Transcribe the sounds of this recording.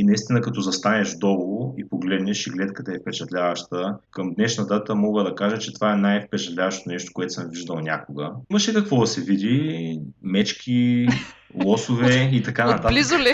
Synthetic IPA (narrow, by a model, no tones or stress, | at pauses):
inɐist̪inəkɐt̪ɔzɐst̪anɛʒd̪ɔlˠoipoɡlɛd̪nɛʃiɡlɛt̪kət̪ɐɛfpɛt͡ʃɐt̪lʲavɐʃt̪əkɐmd̪nɛʃnɐd̪at̪əmɔɡəd̪ɐkaʒət͡ʃɛt̪o̥vaɛnajfpɛt͡ʃɐt̪lʲavɐʃt̪onɛʃt̪o̥koɛt̪ʊ̥səmviʒd̪əlˠnʲa̰koɡəimɐʃɛkɐkvɔd̪ɐsɛvid̪i | mɛt͡ʃk̟ʰʲi | lˠɔsʊvɛit̪ɐkanɐt̪atlizoli